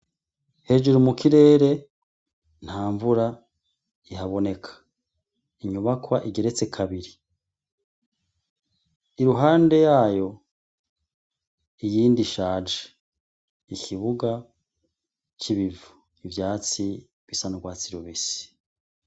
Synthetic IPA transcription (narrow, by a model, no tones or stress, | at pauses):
he̞ːd͡ʒuɾumukiɾe̞ːɾe̞ | n̥haːɱvuɾa | ihaβo̞ne̞kʰḁ | iɲuβakwaʔiɡe̞ɾe̞t͡se̞kʰaβiɾi | iɾuɦaːnde̞jaːjo̞ | ijiːndiʃaːd͡ʒe̥ | ikʰiβuɡa | t͡ʃiβivu̥ | ivjaːt͡si | ɡ̥isanuɡwaːt͡siɾoβisi̥